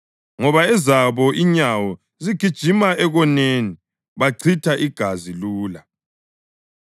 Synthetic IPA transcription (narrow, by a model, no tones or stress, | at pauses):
ŋɔβaɛzaβɔʔiɲawɔ | ziɡ̥ʱid̥ʒ̥ʱimaʔɛɣɔneːni | βaǀʰitʰaʔiɡ̥ʱaziluːla